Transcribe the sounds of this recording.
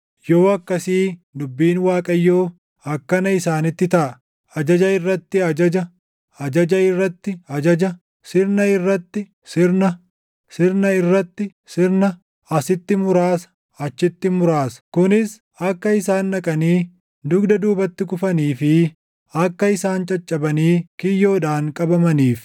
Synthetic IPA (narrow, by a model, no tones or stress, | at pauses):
joːɐkːɐsiːdʊbːiːnwaːkʼɐjːoː | ɐkːɐnɐɪsaːnɪt̪ːɪt̪ɐʔɐ | ɐd͡ʒɐd͡ʒɐɪrːɐt̪ːɪɐd͡ʒɐd͡ʒɐ | ɐd͡ʒɐd͡ʒɐɪrːɐt̪ːɪɐd͡ʒɐd͡ʒɐ | sɪɾnɐɪrːɐt̪ːɪ | sɪɾnɐ | sɪɾnɐɪrːɐt̪ːɪ | sɪɾnɐ | ɐsɪt̪ːɪmʊɾaːsɐ̥ | ɐt͡ʃːɪt̪ːɪmʊɾaːsɐ̥kʊnɪs | ɐkːɐɪsaːnːɐkʼɐniː | d̪ʊɡd̪ɐd̪uːbɐt̪ːɪkʊfɐniːfɪ | ɐkːɐɪsaːnt͡ʃʼɐt͡ʃʼːɐbɐniːkɪjːoːᶑaːŋkʼɐbɐmɐniːf